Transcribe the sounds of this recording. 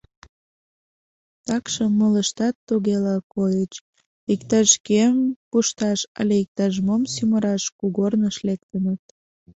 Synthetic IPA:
t̪ɑkʃəmːələʃt̪ɑt̪ːuɣelɑkojət͡ɕ | ikt̪ɑʃkeempuʃt̪ɑʃɑ̰lʲeik̚t̪ɑʒəmomsyməɾɑʃkuɣornəʃlek̚t̪ənət̪̚

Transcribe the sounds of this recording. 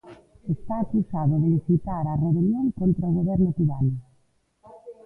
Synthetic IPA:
est̪aːkusaðʊðeβisit̪aɾɐreunjoŋkont̪ɾaʊɣoβɛɾnʊt̪iβanʊ

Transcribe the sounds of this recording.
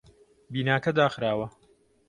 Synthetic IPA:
biːnaːkɐd̪aːxɾaːwɐ

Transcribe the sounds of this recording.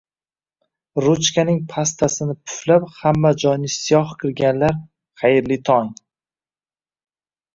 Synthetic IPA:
ɾʊt͡ʃkʲʰanɪŋpʰast̪ʰasɪnɪpʰʊ̥flaphamːad͡ʒɒjnɪsɪjɒhkʲʰɪɾɡʲanlaɾ | χajɪɾlɪt̪ʰɒŋ

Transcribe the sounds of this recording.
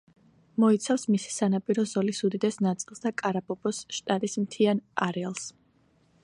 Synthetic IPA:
mɔit̪sʰafsmisi̥sanapʼiɾɔzɔlisud̪id̪ɛsnat̪sʼilˠsd̪akʼaɾabɔbɔsʃt̪ʼat̪ʼismt̪ʰianaɾɛalˠs

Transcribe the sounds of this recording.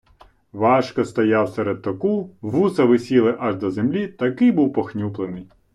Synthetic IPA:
ʋɑʃkɔst̪ɔjɑwsɛɾed̪̚t̪ɔkuʋusɐʋɪsʲilˠɪʔɐʒd̪ɔzemlʲit̪ɐkɪjbuwpɔxnʲuplˠenɪj

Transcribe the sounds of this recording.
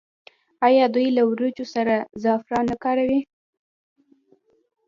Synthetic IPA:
ɑjɑd̪ujlawɾut͡ʃosaɾazɑfɾɑnakɑɾawi

